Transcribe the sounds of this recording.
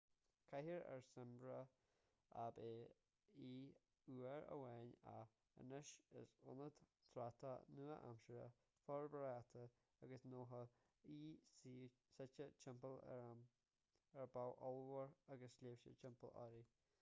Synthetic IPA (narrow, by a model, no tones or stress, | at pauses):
kʰahəɾɛ̰ɹsɪmbɾə | abeː | iː | uːəɹə̰wɛːna̰ | ə̰nəʃə̰sʊ̰nəd̪t̪ʰɾat̪ʰanuːəʔa̰mʃəɾə̰ | fɔɹbɾat̪ʰə | aɡəsnoːɦə | iː | sɛt͡ʃət͡ʃʰɪmpəl | ɛɹbawʔɔlˠwəɹaɡəslʲeːfʃə̰t͡ʃɪmpəlɔ̰ɾi